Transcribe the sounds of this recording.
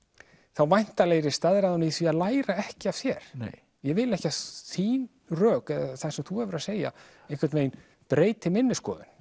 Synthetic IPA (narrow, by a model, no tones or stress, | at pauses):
θawvajn̥t̪aleːjɾɪst̪aðɾaðaniθviaðlaːjɾaɛhcɪav̥sjɛɾ̥n | jɛvɪlɛhcaθiːn | rœːkɛðaθḁsɛmθuɛvʏɾaseːja̰ | ejhkvaɾt̪nejn | pɾeːjt̪ɪmɪnːɪskɔ̰ːðʏ̰n̥